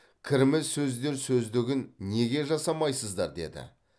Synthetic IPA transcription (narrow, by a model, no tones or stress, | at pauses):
kʲʰɪɾɪmɪzsɵzd̪e̞ɾsɵzd̪ɪɡʲɪnːe̞ɡʲe̞ʒɑsɑmɑjsəzd̪ɑɾd̪e̞̰d̪ɪ̰